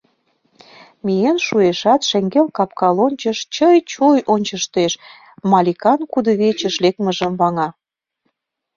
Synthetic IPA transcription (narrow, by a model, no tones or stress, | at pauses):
mʲijenʃueʃɑt̪ʃeŋɡelkɑp̚kɑlonʲt͡ɕəʃt͡ɕəjt͡ɕojʔonʲt͡ɕəʃt̪eʃ | mɑlʲikɑnkud̪əβet͡ɕə̆ʃlek̚məʒəmβɑŋɑ